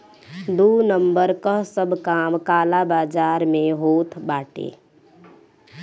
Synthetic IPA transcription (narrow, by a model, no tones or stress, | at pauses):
d̪uːnəmbəɾkəɦsəbʱkaːmkaːlabaːd͡ʒaːɾmẽɦoːt̪ʰbaːʈḛː